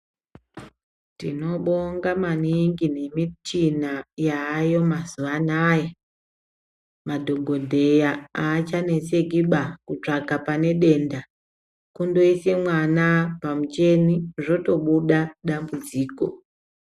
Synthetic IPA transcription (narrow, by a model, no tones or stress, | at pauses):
tino̞ɓoŋɡamaniŋɡine̞mitinajaːjo̞mazuʋanaːja | madʱo̞ɡʱo̞dʱe̞jaaːt͡ʃane̞sekiɓakut͡ʂaɡʱapane̞ɗe̞nda | kundo̞ise̞mwanapamut͡ʃe̞niʐo̞to̞ɓuɗaɗambud͡ziːko̞